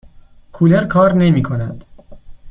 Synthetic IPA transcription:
kʰuːleɾkʰɒːɾnemiːkʰonæd̪̥

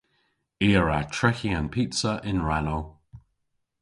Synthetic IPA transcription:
eːɹatʰɹɛçiãnpʰitsəʔɪ̃nɹano

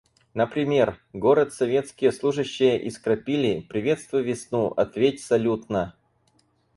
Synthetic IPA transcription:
nəpɾʲɪmʲe̞rɡo̞ɾət̪sɐvʲe̞t̪skʲɪjəslˠuʐɨɕːɪjəʔɪskɾɐpʲilʲɪpɾʲɪvʲe̞t̪st̪vʊjvʲɪsnuʔɐ̰t̪vʲetʲsɐlʲut̪̚nə

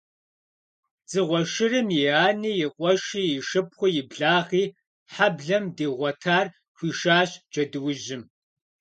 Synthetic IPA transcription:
zɨʁʷɔʃɪrɨmjiaːniːjɪqʷʼɔʃiːjɪʃɨp̚χʷʊjɪbɮaːʁiː | ħabɮɐmdeːʁʷɔtʰaːr | kʷiːʃaːɕd͡ʒɐdɨwʊʒɪm

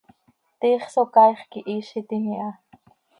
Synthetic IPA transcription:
t̪iːχsokɑjχkiʔiːʃit̪imiʔɑ

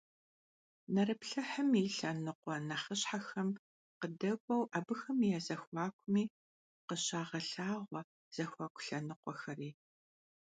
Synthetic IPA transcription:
nɐɾɨpɬɐħəmiɬɐnɨqʷɔnɐχəɕħaxɐm | qədɐɡʷʼɔwʔaːbɨxɐmijazɐxʷaːkʷʰʼʊmiː | qəɕaːʁɐɬaːʁʷɔ | z̥ɐxʷaːkʷʰʼʊ̥ɬɐnɨqʷɔxɐriː

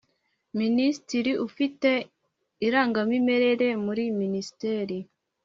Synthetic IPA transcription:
ministiɾiʔufite | iɾaːŋɡamime̞ɾe̞ɾe̞muɾiministeːɾi

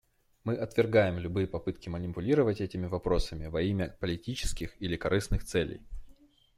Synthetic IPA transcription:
mɨʔɐt̪vʲɪrɡajɪmlʲʊbɨjəpɐpɨt̪kʲɪmənʲɪpʊlʲiɾəvətʲɛtʲɪmʲɪvɐpɾo̞səmʲɪvɐimʲəpəlʲɪtʲit͡ɕɪ̥skʲɪxilʲɪkɐɾʔɨsnɨxt̪sɛlʲɪ̰j

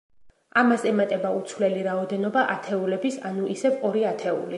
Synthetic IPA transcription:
amasɛmat̪ʼɛbaut̪sʰvlɛliɾaɔd̪ɛnɔbaʔat̪ʰɛulɛbisanuʔisɛvɔɾiat̪ʰɛṵli

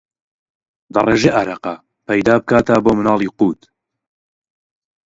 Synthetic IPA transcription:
d̪ɐ̰reːʒeʔaɾɐqa | pɐjd̪aːbɨkaːt̪aboːmɨnɑːlˠiːquːt̪

